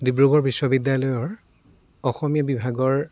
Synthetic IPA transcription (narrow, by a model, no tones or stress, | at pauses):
dibɹuɡɔɹbiswɔbidjalɔjɔɹ | ɔxɔmijabibʱaɡɔɹ